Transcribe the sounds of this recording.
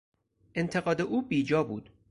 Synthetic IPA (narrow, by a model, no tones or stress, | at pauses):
ʔe̞nt̪ʰe̞ɣɒːd̪e̞ʔuːbiːd͡ʒɒːbuːd̪̥